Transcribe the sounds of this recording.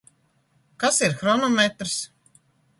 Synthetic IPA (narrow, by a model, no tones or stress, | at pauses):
kasiɾxɾɔnɔmet̪ɾs